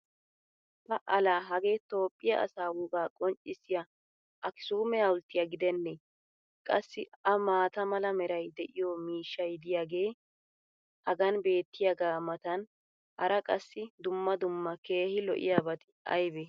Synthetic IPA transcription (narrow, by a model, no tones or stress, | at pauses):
pɐʔɐlaːɦɐɡe̞ːt̪o̞ːpʼːɪjɐʔɐ̰saːwʊɡaːkʼɔnt͡ʃʼːɪsːɪjɐ | ʔɐkɪ̥suːmɛjɐwʊlt̪ːɪjɐɡɪd̪ɛnːe | kʼɐ̰sːɪɐmaːt̪ɐmɐlɐmɛɾɐjd̪ɛʔɪjɔmiːʃːɐjd̪ɪjaːɡe̞ː | hɐɡɐnbe̞ːt̪ːɪjɐɡaːmɐt̪ɐn | hɐɾɐkʼɐsːɪd̪ʊmːɐd̪ʊmːɐke̞ːhɪlɔ̰ʔɪ̰jabɐt̪ | ɐ̰jbɛ